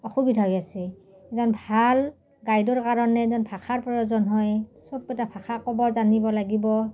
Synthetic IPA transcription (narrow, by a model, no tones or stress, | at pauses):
ɔxubidʱaɦɔjasɛ | ɛzɔnbʱal | ɡajdɔɹkaɹɔnɛzɔnpʰaxʰaɹpɹɔjɔzɔnɦɔjsɔb̚ɛtapʰaxʰakɔbɔɹzanibɔlaɡibɔ